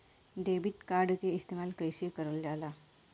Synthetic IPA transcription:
ɖebiʈ̪kaɾɖkeist̪emalkəjɕikəɾəljala

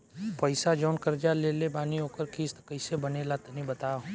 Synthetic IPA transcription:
pɐɪsad͡ʒɔːnkɐɾd͡ʒaleːlebaːniɦoːkəɾkʰiːst̪kɐɪsebɐnelat̪nĩbɐt̪aːo

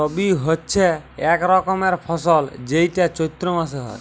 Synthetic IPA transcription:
ɔbiɦotːʃʰeɛkɾɔkɔmeɾpʰɔsɔld͡ʑejʈat͡ɕojt̪ːɾomas̬eɦɔ̰e

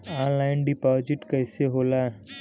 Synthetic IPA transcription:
ãːnlaːɪnɖipaːd͡ʒɪʈkəːseɦoːlaɛ

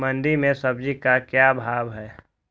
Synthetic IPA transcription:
mə̃nd̪imẽsəb̚d͡ʒikakjabʱaːbɦɛː

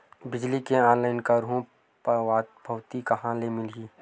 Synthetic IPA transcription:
bɪd͡ʒlikeaːnlaːɪnkaɾɦũ | paːt̪bʱəwt̪ikaɦãlemɪliː

